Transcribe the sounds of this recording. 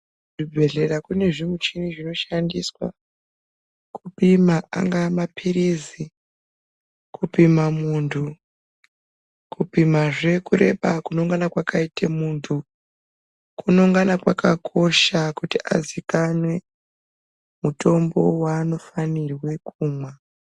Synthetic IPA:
ibʱe̞ɮe̞ɾakune̞ʐimut͡ʃiniʐino̞ʃandiswa̰ | kupimaa̰ŋɡamapʰiɾizi | kʰupimamuːntʰu | kʰupimaʐe̞kuɾe̞̰ɓakunoŋɡanakwakaitʰemuːntʰu | kuno̞ŋɡanakwakakʰo̞ʃakutia̰zikanwe̞ | muto̞mbo̞waːno̞fanirwe̞kuːmwa

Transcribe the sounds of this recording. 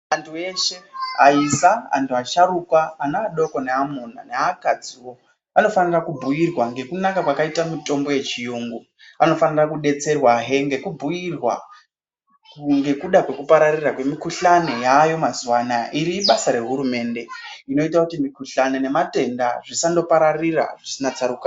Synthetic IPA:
antʰue̞ʃe̞a̰isaa̰ntuaʃaɾukwaːnaːɗo̞koneamuna̰neakad͡ziwo̞ | ano̞fanirakubʱujirwaŋɡe̞kunakakwakaitamito̞mbo̞je̞t͡ʃijuŋɡu | ano̞fanirakuɗe̞t͡se̞rwaɦe̞ŋɡe̞kubʱujirwa̰ | ŋɡe̞kuɗakwe̞kupaɾarirakwe̞mikuɬane̞jajo̞mazuwanaʔiɾiɓasaɾe̞ɦuɾume̞ːnde̞ino̞itakutimikuɬanene̞mate̞ndaʐisando̞paɾarira̰ʐisinat͡saɾuka

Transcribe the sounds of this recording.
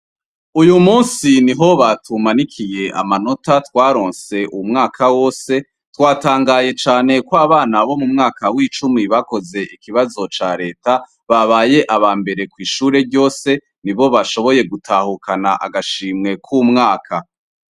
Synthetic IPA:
ujumuːnsiniɦo̞βatʰumanikʰije̞ʔa̰mano̞tatwaːɾo̞ːnse̞ʔumŋaːkʰawo̞ːse̞ | twaːtaːŋɡaːje̞t͡ʃaːne̞kwaβaːnaβo̞mumŋaːkawiːt͡ʃumiβako̞ze̞ʔikiβazo̞t͡ʃaːɾe̞ːta | βaβaːje̞ʔaβaːmbe̞ɾe̞kwiːʃuːɾe̞ɾɟo̞ːse̞ | niβo̞βaʃo̞βo̞je̞ɡutʰaːhukʰanaʔa̰ɡaʃiːmŋe̞kʰumŋaːkʰa

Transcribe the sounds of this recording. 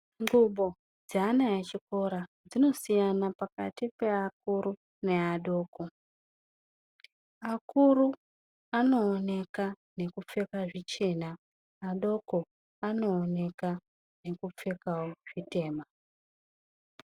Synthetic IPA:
ŋɡuɓo̞ | d͡zaːnajet͡ʃiko̞ɾa | d͡zino̞sijanapaka̰tipe̞ak̚uɾu | ne̞aɗo̞ːko̞ | akuɾu | ano̞ːne̞ka | ne̞kup͡fekaʐit͡ʃe̞naː | ɗo̞ko̞ | ano̞ːne̞ka | ne̞kup͡fekawoʐ̥ite̞ːma

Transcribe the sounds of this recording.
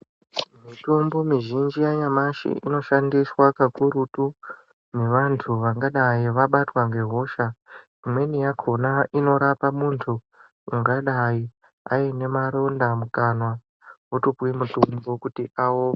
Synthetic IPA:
mitumbomiʒind͡ʒiajamaʃḭʔḭno̞ʃandiswakakuɾutu | meʋantʰuʋaŋɡaɗaiʋaɓatwaŋɡe̞ɦo̞ʃa | imwe̞nijakʰonaʔino̞ɾapamuntʰu | iŋɡaɗai | a̰ine̞maɾo̞ndamukanwa | wotupwimutumbokutiʔawo

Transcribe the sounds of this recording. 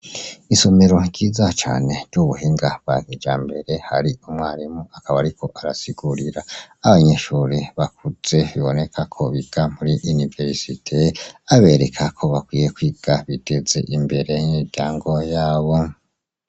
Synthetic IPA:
iso̞me̞ɾo̞ɟiːzat͡ʃa̰ːne̞ɾɟuβuɦiːŋɡaβ̥aɡed͡ʒaːmbe̞ɾe̞haɾiumŋaːɾimuakaβaɾikʰo̞ʔaɾasiɡ̥uɾiɾaaβaɲe̞ʃuɾiβakuz̥e̞βiβo̞ne̞kʰakʰo̞βiɡ̥am̥uɾiʔunive̞ɾsitʰeaβe̞ɾe̞kʰakʰo̞βakwiːjekwiːɡ̥aβid̥e̞ze̞̰ʔimbe̞ɾe̞miɾɟaːŋɡo̞jaːβo̞

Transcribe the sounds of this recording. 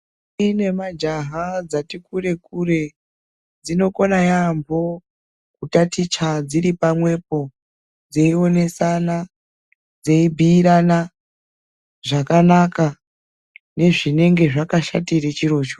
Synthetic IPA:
ine̞mad͡ʒaɦad͡zatikure̞kure̞ | d͡zino̞ko̞najambʱo̞ | kutatit͡ʃad͡ziɾipamwe̞p̚o̞ | d͡zeio̞ne̞sana | d͡zeibʱiːɾana | ʐakanaka | ne̞ʐine̞ŋɡe̞ʐakaʃatiret͡ʃiɾo̞ːt͡ʃo

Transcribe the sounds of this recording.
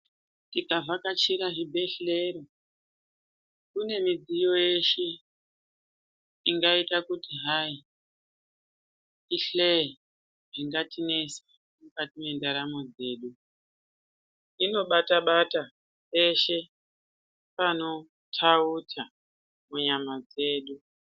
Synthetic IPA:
tikavakat͡ʃiɾaʐibʱe̞ɬe̞ɾo̞ | kune̞mid͡zijo̞je̞ʃe | iŋɡaitakutiɦai | iɬe | ʐiŋɡatʰine̞sḁ | mukatime̞ndaɾamo̞d͡ze̞ːɗu | ino̞ɓataɓata | pe̞ʃe | pano̞ | tʰautʰa | muɲamad͡ze̞ːɗu

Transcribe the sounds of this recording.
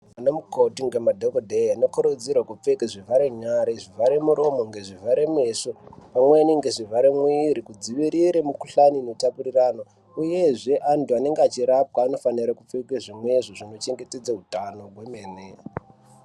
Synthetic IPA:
anomukotiŋɡemadʱokodʱeanokoɾod͡zirwakup͡fekeʐivaɾeɲaɾeʐivʱaɾe̞muɾo̞mo̞ŋɡeʐivaɾemesopamweːniŋɡe̞ʐivʱaɾemwiɾikud͡ziʋiɾiɾemuku̥ɬanineutapuriraːno | uje̞ʐe̞ʔantuane̞ŋɡeat͡ʃiɾap̚waːno̞faniɾakup͡fekeʐimweʐoʐino̞t͡ʃe̞ŋɡeted͡zautano̞ɡwemene

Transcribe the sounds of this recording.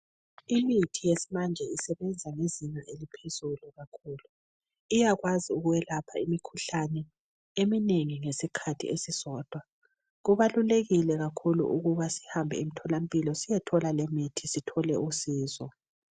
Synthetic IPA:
imitʰijesimand͡ʒʱɛisɛβɛnd͡zʱaŋeziɲɛelipʰez̥uluɣakʰuːlu | ijaɣwaziuɣuwɛlapʰaimikʰuɬanɛ | emineŋiŋesikʰatʰḭesisɔːd̥ʱwa | ɣuβaluleɣilɛɣakʰulṵʔuɣuβasi̥hambʱɛ̰imitʰɔlam̩pʼilɔsijɛtʰɔlalemitʰisitʰɔlɛusiːzɔ

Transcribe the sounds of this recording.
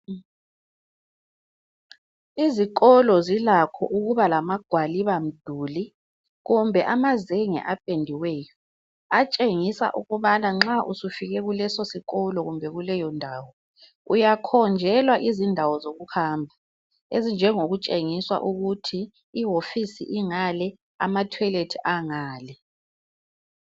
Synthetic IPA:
izikʼɔlɔzilakʰɔ̰ʔuɣuβalamaɡ̥ʱwaliβam̩d̥ʱuːli | ɣumbʱɛʔamazeŋɛ̰ʔapʼendʱiwɛːjɔ | at͡ʃʼeŋisa̰ʔuɣuβanaŋ͡ǁaʔusufiɣɛɣulɛsosiɣɔlɔɣumbʱɛɣulɛjɔndʱaːwɔ | ujakʰɔnd͡ʒʱɛlwaʔizindʱawɔzoɣuhaːmbʱa | ezind͡ʒʱɛŋoɣut͡ʃʼeŋiswa̰ʔuɣutʰiː | ɦofisḭʔiŋalɛ | a̰matʰwɛletʰiʔaŋaːlɛ

